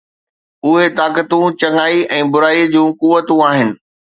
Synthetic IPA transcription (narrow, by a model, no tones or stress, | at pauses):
ʊɦet̪aːkət̪ũt͡ɕɐŋaːiɛ̃ːbʊɾaːid͡ʑũːkʊʋət̪ũaːɦɪnɪ̆